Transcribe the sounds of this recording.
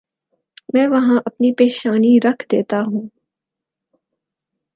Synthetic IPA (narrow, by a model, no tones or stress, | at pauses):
mɛ̃ːʋɐɦãʔɐpnipeːʃaːniɾɐkʰd̪eːt̪aɦũː